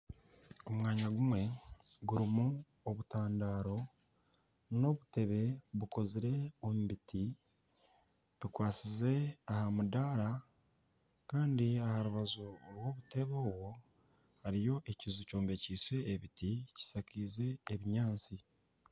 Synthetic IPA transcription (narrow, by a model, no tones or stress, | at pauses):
o̞mwaːɲaɡumwe̞ | ɡuɾimu | oβutaːndaːɾo̞ | no̞βute̞βe̞βuko̞ziɾe̞omubiti | βukwaːt͡size̞ahamudaːɾa | kaːndiahaɾuβazoɾwo̞βute̞βoːwo̞ | haɾijo̞ʔe̞cizuco̞ːmbe̞ciːse̞ːβitici̥sakiːze̞ːβiɲaːnt͡si